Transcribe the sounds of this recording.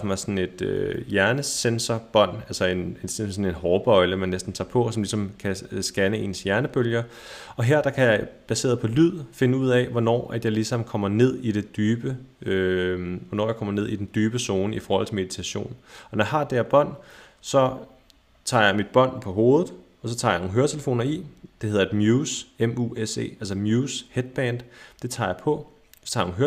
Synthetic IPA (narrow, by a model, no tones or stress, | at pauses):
fmɑ̈ɪsɒ̽nn̩e̝d̥øjæɐnəsensɐb̥ɒ̽n̰ælsɐe̝nessɒ̽ne̝nɦɒːb̥ɒ̽ɪləmænːesd̥n̩t͡sʰɑ̰̈ːpʰɒ̽sɒ̽mlisɒ̽mkʰæsɡ̥ænəe̝nsjæɐnəb̥øljɐ | ɒ̽ɦeɐ̰d̥ɑ̈kʰæjɑ̈ɪb̥æse̝̰ːɐðˠpʰɒ̽lyð̰ˠfe̝nəuð̰ˠɛʋɒnɒ̰ːʔæd̥jɑ̈ɪlisɑmn̩kʰɒ̽m̰ɐne̝ð̰ˠid̥e̝d̥yːb̥əøʋɒnɒ̰ːjäkʰɒ̽m̰ɐne̝ð̞̰ˠid̥en̩d̥yːb̥əso̝ːnəifɒːhɒl̰t͡sʰe̝me̝ð̥ˠi̥t͡sʰæɕo̝̰ːnɒ̽nɒjäɦɑ̈d̥eæɐb̥ɒ̽n̰ | sɒ̽ | t͡sʰɑ̈ːjɑ̈ɪmid̥̚b̥ɒ̽n̰pʰɒ̽ɦo̝ːð̞ˠð̩ˠ | ɒ̽sɒ̽t͡sʰɑ̈jɑno̝ːŋɦøːɐt͡sʰeləfo̝̰ːnɐid̥e̝he̝ð̞ˠɐed̥mjuːsemuese̝̰ːælsɐmjuːshed̥̚b̥ɛnd̥d̥e̝t͡sʰɑ̰̈ːjɑ̈ɪpʰɒ̽ | ɒ̥t͡sʰɑ̈noŋɦøɐ